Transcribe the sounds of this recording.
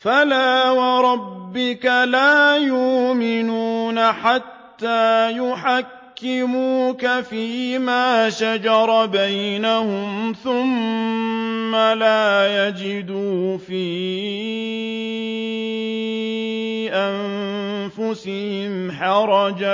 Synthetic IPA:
falaːwɑɾˤɑbːɪkalaːjʊʔʔmɪnuːnaħat̪ːaːjʊħakːɪmuːkafiːmaːʃad͡ʒɑɾˤɑbajnahʊmθʊmː | alaːjad͡ʒɪd̪uːfiː | ʔanfʊsɪhɪɪmħɑɾˤɑd͡ʒa

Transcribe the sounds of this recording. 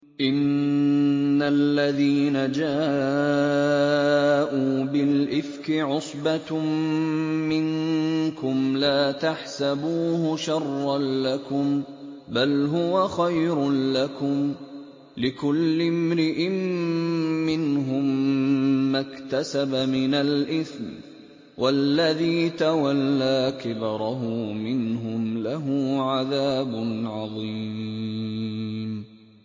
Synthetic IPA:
ʔɪnː | alːaðiːnad͡ʒaː | ʔuːbɪlʔɪfkɪʕʊsˤbat̪ | mɪŋkʊmlaːt̪aħsabuːhʊʃɑrˤːɑnlakʊm | balɦʊwaxajɾlakʊm | lɪkʊlːɪmɾɪʔɪmː | ɪnɦʊmː | akt̪asabamɪnalʔɪθm | wʔalːaðiːt̪awalːaːkɪbɾˤɑɦʊmɪnɦʊmlaɦʊːʕaðaːbʊnʕɑðˤiː | m

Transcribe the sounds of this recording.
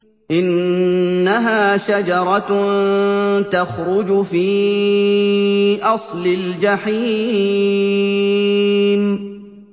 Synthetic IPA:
ʔɪnː | aɦaːʃad͡ʒɑɾˤɑ | t̪axɾʊd͡ʒfiː | ʔɑsˤlɪld͡ʒaħi | m

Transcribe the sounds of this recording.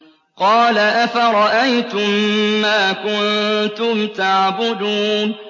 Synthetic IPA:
qɑːlaʔafaɾˤɑʔajt̪ʊmːaːkʊnnt̪ʊmt̪aʕbʊd̪uːn

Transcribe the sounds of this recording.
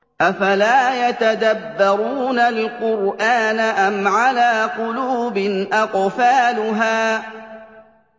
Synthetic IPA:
ʔafalaːjat̪ad̪abːɑɾuːnalqʊɾʔaːnaʔamʕalaːqʊluːbɪnʔɑqfaːlʊɦaː

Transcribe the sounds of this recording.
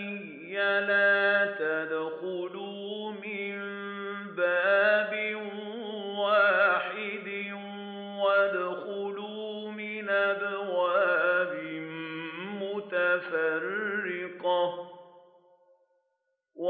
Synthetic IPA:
alaːt̪ad̪xʊluːmɪm | baːbɪn | waːħɪd̪ɪ | n | wad̪xʊluː | mɪnʔabwaːbɪmmʊt̪afarːɪqɑ | w

